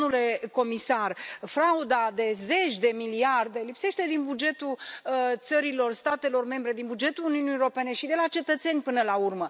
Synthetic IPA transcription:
ule̞ko̞misarfɾaud̪ad̪e̞ze̞t͡ʃʲd̪e̞miliard̪e̞lipse̞ʃt̪e̞d̪inbud͡ʒe̞t̪ult̪səɾilo̞rst̪at̪e̞lo̞rme̞mbɾe̞d̪inbud͡ʒe̞t̪uluniunieoɾo̞pe̞ne̞ʃid̪e̞lat͡ʃe̞t̪ət̪se̞nʲpɨnəlaurmə

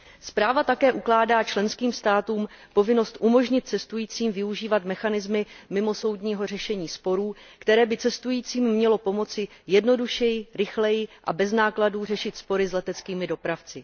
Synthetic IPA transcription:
spɾaːvat̪akɛːʔuklaːdaːt͡ʃlɛnskiːmst̪aːt̪uːmpo̞vɪno̞st̪ʔumo̞ʒɲɪt̪̚t͡sɛst̪ujiːt͡siːmvɪuʒiːvat̪mɛxanɪzmɪmɪmo̞so̞wd̪ɲiːɦo̞rɛʃɛɲiːspo̞ɾuːkt̪ɛɾɛːbɪt͡sɛst̪ujiːt͡siːmːɲɛlo̞po̞mo̞t͡sɪjɛdno̞duʃɛjɪɾɪxlɛjɪʔa̰bɛznaːkladuːr̝ɛʃɪt̪spo̞ɾɪzlɛt̪ɛt͡skiːmɪdo̞pɾaft͡sɪ

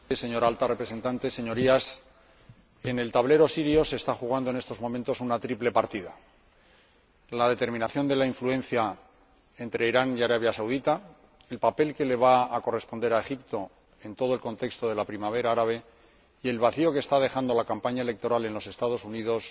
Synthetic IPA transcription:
se̞ɲo̞ɾalt̪arepɾe̞se̞nt̪ant̪e̞se̞ɲo̞ɾias | e̞ne̞lt̪aβle̞ɾo̞siɾjo̞se̞st̪axuɣ̞and̪o̞ne̞st̪o̞zmo̞mẽnt̪o̞sunat̪ɾiple̞paɾt̪iða | laðe̞t̪e̞ɾmĩnaθjo̞nd̪e̞laiɱfluẽ̞nθja | e̞nt̪ɾe̞iɾaniaɾaβ̞jasawðit̪a | e̞lpape̞lke̞le̞β̞aako̞re̞spo̞nd̪e̞ɾae̞xipt̪o̞ | e̞nt̪o̞ð̞oe̞lko̞nt̪e̞kst̪o̞ðe̞lapɾimaβ̞e̞ɾaaɾaβ̞e̞ | ie̞lβaθio̞kest̪aðe̞xand̪o̞lakampaɲaele̞k̚t̪o̞ɾale̞nlo̞se̞st̪að̞o̞sunið̞o̞s

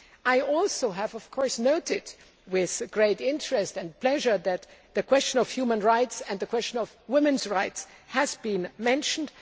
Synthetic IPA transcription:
ʔaɪɔlˠsoʊɨvʌv̥kʰɔɹsnoʊɾɪd | wɪð̥ɡ̥ɹeɪɾɪ̃ntɹɨstɨ̃npʰl̥ɛʒə˞ðɨt̪̚ðɨkʰw̥ɛst͡ʃə̃nʌv̥hjumə̃nɹaɪtsɨ̃ndðɨkʰw̥ɛst͡ʃənʌvwɪ̃mɨ̃nzɹaɪtshɨzbĩnmɛ̃nʃn̩d̥

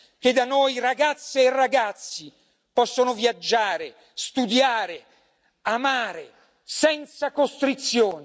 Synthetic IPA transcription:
k̟ed̪ːanojɾaɡat̪sːeːraɡat̪sːi | pɔsːonovjad͡ʒːaːɾe | st̪ud̪jaːɾe | amaːɾe | sɛnt̪sakost̪ɾit̪sjoːn

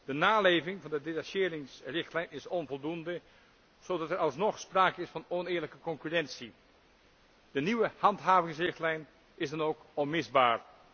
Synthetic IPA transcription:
d̥ənaːlejvɪŋvɑndədetaʃɪːɾɪŋsrɪxtlɛjnɪsɔnvɔlˠdundə | z̥odɑtəɹɑlˠsnɔχspraːkəɪsfɑnɔnɪːɹləkəkɔŋkyrɛnsi | d̥əniʋəhɑntɦaːvɪŋsrɪxtlɛjn | ɪzdɑnowkɔnmɪzbaːɹ

